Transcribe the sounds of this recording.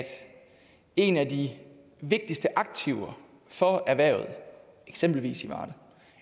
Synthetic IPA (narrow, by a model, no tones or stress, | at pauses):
d̥ | e̝næd̥i | ʋe̝ɡ̥̚d̥isd̥əʔɑ̈ɡ̥̚t͡sʰiʊɐ | fɒ̽æɐʋæɐ̰ʊð̞̩ˠ | eɡ̥sem̰b̥l̩ʋḭːsiʋɑ̰̈ːd̥̩